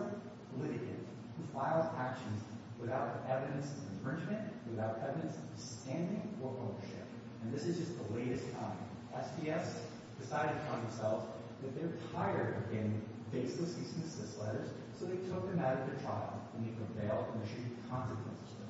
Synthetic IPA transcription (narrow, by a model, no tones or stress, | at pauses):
pʰəlɪɾɨkɨ̰t | hufaɪl̩ˠzækʃɨ̃n̩z | wɨθaʊɾɛvɨɾɨ̃nsʌvɨ̃ɱfɹɪ̃nd͡ʒmɨ̃nʔwɨθaʊɾɛvɨɾɨ̃nsʌ̥stæ̃ndɪ̃ŋə˞ʔoʊnə˞ʃɪ̰p | ɨ̃nðɪsɨzd͡ʒʌs̚ðəleɪɾɨstʰãɪ̃m | ʔɛsbiɛs | d̥ɨsaɪɾɨɾɨpʰʌ̃n̩ðɨ̃msɛlˠvz | ðɨt̪̚ðə˞tʰaɪə˞ɾɨɡɛ̃n | beɪsləsisnɨsɪslɛɾə˞z̥ | soʊðeɪtʰʊk̚ðɨ̃maʊɾʌvðɨtʰɹ̥aɪlˠɨ̃nðeɪpʰɹ̥ɨveɪlˠdə̃nɨʃʉkʰɑ̃nsɨkʰwɛ̰̃nsɨz̥ə